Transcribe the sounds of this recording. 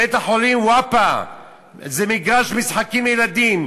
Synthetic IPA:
et̪aħolimwapa | zemiɡʁaʃmisħakimjelad̪im

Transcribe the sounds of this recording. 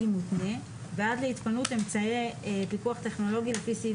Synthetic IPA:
imutne̞ | veadleitpanute̞mt͡saepikuaχte̞χno̞lo̞ɡilefisi

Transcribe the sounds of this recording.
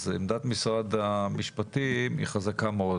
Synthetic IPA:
zemd̪at̪misʁad̪amiʃpat̪imḭχazakameo

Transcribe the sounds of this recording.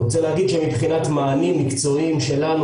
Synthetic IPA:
ot͡selɡid̪ʃemibχinat̪maːnimːikt͡so̞imʃe̞lanu

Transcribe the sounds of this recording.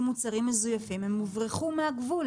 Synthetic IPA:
mut͡saʁimːezujafimhemːuvʁeχumeaɡvul

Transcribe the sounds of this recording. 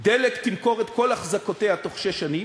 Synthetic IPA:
d̪elekt̪imko̞ʁet̪ko̞laχzakot̪ehat̪o̞χʃeʃani

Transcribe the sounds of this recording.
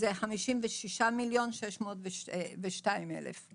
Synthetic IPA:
zeχamiʃimveʃiʃamiljo̞nʃeʃmotveveʃtaimḛlḛf

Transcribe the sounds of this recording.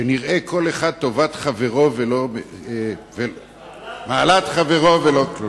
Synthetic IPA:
eniʁekʰo̞leχad̪̚t̪o̞vat̪χave̞ʁo̞velom | ve | maːlat̪χaveʁo̞veloklu

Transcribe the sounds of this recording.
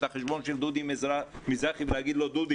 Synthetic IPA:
aχeʃbɔnʃild̪ud̪imzmizɾaχibnaɡid̪lɔd̪ud̪i

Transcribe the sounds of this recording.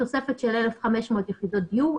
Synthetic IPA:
osefet̪ʃelʔelefχameʃmoːt̪jeχid̪ot̪̚dju

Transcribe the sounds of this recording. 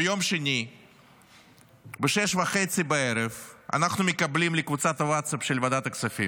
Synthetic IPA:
jo̞mʃenʲi | bɨʃɛʃvɐxet̪sɨbɐeɾevɐ̰naxnʊmʲɪkɐblʲimlʲɪkvut̪sat̪ɐwat̪sapʃelʲvɐd̪at̪ɐksɐfʲḭm

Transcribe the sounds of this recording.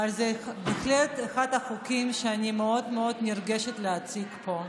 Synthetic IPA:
alzebexlet̪exad̪aχukʲimʃeanimeo̞d̪meo̞d̪nirɡeʃet̪leat͡sikpo̞

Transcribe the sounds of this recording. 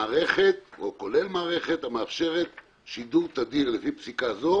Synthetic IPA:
aːʁe̞χe̞t̪oko̞le̞lmaːʁeχe̞t̪hameafʃe̞ʁet̪ | ʃid̪uʁt̪ad̪iʁlefipsikazo̞

